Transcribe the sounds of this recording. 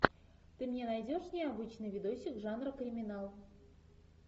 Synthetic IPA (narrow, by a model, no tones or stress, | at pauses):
t̪ɨmnʲenajdʲoʂnʲɪabɨt͡ɕnɨjvʲɪd̪oɕʲɪkʐanrəkɾʲɪmʲɪnɑlˠ